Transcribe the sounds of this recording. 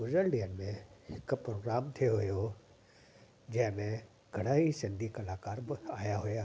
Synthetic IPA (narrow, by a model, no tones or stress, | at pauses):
ʊzəlɖiənmẽhɪkpɾoːɡɾaːmt̪ʰijoɦijo | d͡ʑɐ̃ɦɪ̃mẽ | ɡʱɐɽ̃aːɦisɪ̃nd̪ʱikɐlaːkaːɾbaːjaɦʊjaː